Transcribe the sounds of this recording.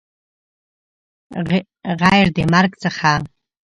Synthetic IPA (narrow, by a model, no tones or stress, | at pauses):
ʁajrdḛmarkʼt͡sʰʼaχa